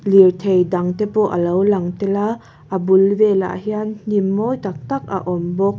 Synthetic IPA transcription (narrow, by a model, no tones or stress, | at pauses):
lirt̪ʰejd̪ɐŋt̪ɛpɔʔəlɐwlɐŋt̪ɛla | ʔabʊlvɛla̰ʔɦiann̥imːɔjt̪ak̚t̪ak̚a̰ʔɔmbɔk̚